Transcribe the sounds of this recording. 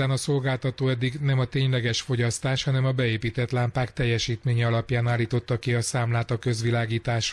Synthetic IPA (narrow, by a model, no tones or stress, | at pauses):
aːnɒso̞lɡaːlt̪ɒt̪oːɛd̪ːiɡnɛmɒt̪eːɲlɛɡɛʃfo̞ɟɒst̪aːʃhɒnɛmɒbɛeːpiːt̪ɛt̪laːmpaːkt̪ɛjːɛʃiːt̪meːɲɛɒlɒpjaːnaːlːiːt̪o̞t̪ːɒkiɒsaːmlaːt̪ɒkø̞zʋilaːɡiːt̪aːʃ